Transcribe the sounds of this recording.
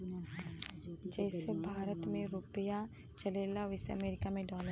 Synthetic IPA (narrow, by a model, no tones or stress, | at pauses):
d͡ʒɛːsebʱaːɾət̪mẽɾʊpəja | t͡ʃɐleːlaʋɪseɐ̰meːɾɪkamẽɖɔːlə